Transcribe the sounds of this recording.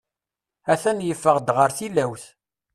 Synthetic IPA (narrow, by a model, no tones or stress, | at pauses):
æθænjəfːəʁd̪ʁəɾθilæwθ